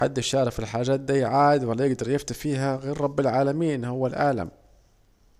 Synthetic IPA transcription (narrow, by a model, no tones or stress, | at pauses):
ħad̪ːɪʃɑːɾˤɪfɪlħaːʒaːt̪̚d̪iːjʕaːɪd̪walːajɪɡd̪ɑɾˤjɪft̪afiːɦaɣeːɾˤɾˤɑbːɪlʕaːlamiːnhʊwːalʔa̰ːla̰m